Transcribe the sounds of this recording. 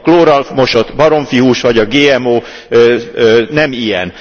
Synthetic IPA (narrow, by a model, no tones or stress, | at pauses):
kloːɾɒlfmo̞ʃot̪bɒɾo̞ɱfiɦuːʃʋɒɟɒɡeːɛmoː | ønɛmijɛ̰n